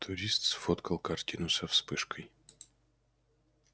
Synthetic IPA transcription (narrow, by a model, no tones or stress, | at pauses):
t̪ʰʊɾʲist̪sfot̪kəlˠkɐrtʲinʊsɐfspɨʂkʰəj